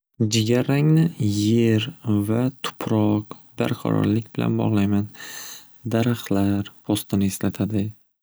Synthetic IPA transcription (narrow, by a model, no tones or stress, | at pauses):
d͡ʒɪɡʲaɾaŋnɪje̞ɾvat̪ʰʊ̥pʰɾɒqba̰ɾqʰɑ̰ɾɒ̰ɾlɪkʲbɪlʔa̰nbɒ̰ʁlˠajman | d̪aɾaχlaɾpʰɒst̪ɪnɪːslat̪ʰad̪ɪ